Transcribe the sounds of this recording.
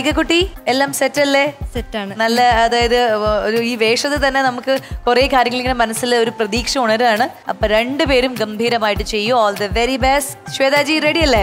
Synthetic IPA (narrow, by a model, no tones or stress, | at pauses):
ɐkːɐk̬ːuʈːielːaːmsetːɐlːesetːaːɳɨnɐlːɐːðaːjɐðɨoɾuiːʋe̞ːkʂɐt̪ːet̪ɐnːe̞nɐmukːɨkureːkaːɾjɐŋːɐɭeŋɡinmɐnɐsːileo̞ɾuprɐðiːkʂɐuɳɐɾaːɳɨ | ɐ̰pːoːɾe̞ɳɖɨpe̞ːɾumɡɐmbʱiːɾɐmaːjiʈːɨt͡ɕe̞jːuoːld̪ɐʋeɾibesʈɕʋeːðaːd͡ʑireːɽiɐlːe